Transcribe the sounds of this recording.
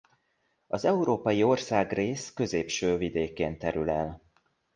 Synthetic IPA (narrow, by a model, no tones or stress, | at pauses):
ɒzɛuɾoːpɒjio̞rsaːɡreːskø̞zeːpʃøːvid̪eːkeːnt̪ɛɾylɛl